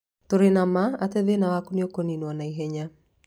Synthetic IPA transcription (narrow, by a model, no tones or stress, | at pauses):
toɾenamaatɛðenawakuneokoninwanaiɦɛɲa